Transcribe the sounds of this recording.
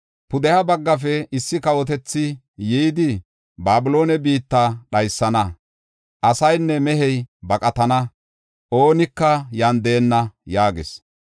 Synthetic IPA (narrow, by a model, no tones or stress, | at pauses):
pʊd̪ɛhɐbɐɡːɐfɛɪsːɪkɐwɔt̪̬ɛt͡sːɪ | jijd̪ɪ | baːbʊlo̞ːnɛbiːt̪ːaɗɐjsːɐnɐ | ʔɐsɐjnːɛmɛɦɛjbɐkʼɐt̪ɐnɐ | ʔoːnɪkːɐjɐnd̪eːnːɐjaːɡɪ̰s